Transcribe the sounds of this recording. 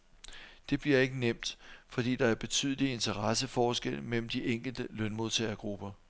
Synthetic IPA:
d̥e̝b̥liɐe̝ɡ̥ənem̰d̥fɒ̽d̥ḭːd̥ɑ̈æɐb̥e̝t͡sʰy̰ːð̞ˠlie̝nt͡sʰɐʁɑsəfɒːsɡ̥el̰mel̰m̩d̥iʔeŋ̰ɡ̥l̩d̥əlœnmo̝ðˠt͡sʰɛ̰ɐɡ̥ʁub̥ɐ

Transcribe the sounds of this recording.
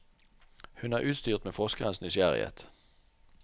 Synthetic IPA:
hʉnæːʁʔʉːt̪st̪yːʁt̪meːfɔʁskəʁənsnʏsjæʁɪ̰hḛːt̪

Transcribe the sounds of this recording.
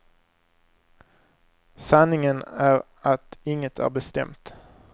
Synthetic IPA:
sanːɪŋənæɾ | at̪ɪŋːət̪ʰæ̰ɾbɛst̪ɛ̰mt̪

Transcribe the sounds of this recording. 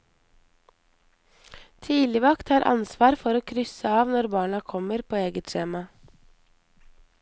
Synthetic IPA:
t̪ʰiːlɪʋɑkt̪hɑːɾʔɑ̰nsʋɑːɾfɔɾoːkʰɾʏsəɑːʋnɔɾbɑːɳɑkʰɔməɾpʰoːeːɡət̪ʃeːmɑ

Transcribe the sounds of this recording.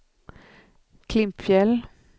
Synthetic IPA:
kʰlɪmpfjɛl

